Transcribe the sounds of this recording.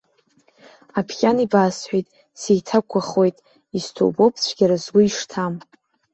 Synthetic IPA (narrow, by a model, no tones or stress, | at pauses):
apʰχʲʼanibaːsħʷᶣejtʼ | sejtʰakʷʰaχo̞jtʼ | istʰo̰wbo̞pʰt͡ɕʷʰɡʲaɾazɡʷʊiʂtʰam